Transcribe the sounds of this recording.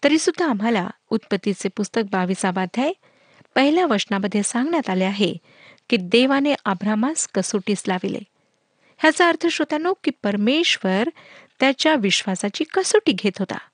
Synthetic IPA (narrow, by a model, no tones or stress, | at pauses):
t̪əɾiːsud̪ʱːaːm̤ala̰ | ut̪̚pət̪ːit͡sepust̪ək̚baʋisaʋad̪ʱjaj | pəɦiljaʋəɾsnaməd̪ʱːjesãŋɡɳjat̪aleaɦe | kiːd̪eʋaneʔəbɾamaskəsuʈiːslaʋilḛ | ɦjat͡saəɾt̪ʰəɕʋət̪anokiːpəɾmeɕʋəɾt̪jat͡ɕjaʋiɕʋasat͡ɕiːkəsuʈiːɡʱet̪ɦot̪a̰